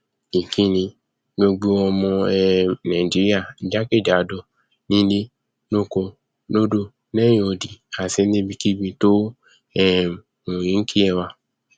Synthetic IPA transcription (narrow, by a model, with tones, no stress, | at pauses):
i˨kʰi˦˨nĩ˧˦ | ɡo˧ɡ͡bu˦ɔ˧mɔ̃˧ɛ˧nã˨d͡ʒi˨˦ɾi˦a˦˨d͡ʒa˦ke˦˨d͡ʒa˨do˧ | nĩ˦le˦ | no˦˨ko˧ | no˦do˦˨ | nɛ̃˦o˧˨di˨a˨se˧˦ẽ˦bi˧˦ki˦bĩ˧to˦ | ɛ˦ | mũ˨jĩ˨˦ŋ̩˦ki˦ɛ˦˧˨wa˧